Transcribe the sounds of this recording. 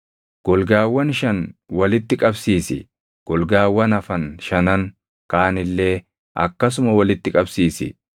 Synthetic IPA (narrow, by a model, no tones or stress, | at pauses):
ɡ̥ɔlɡaːwːɐnʃɐnwɐlɪt̪ːɪkʼɐbsiːsɪ̰ | ɡ̥ɔlɡaːwːɐnɐfɐnʃɐnɐn | kaːnɪlːe̞ː | ʔɐ̰kːɐs̬ʊmɐwɐlɪt̪ːɪkʼɐbsiːsɪ̰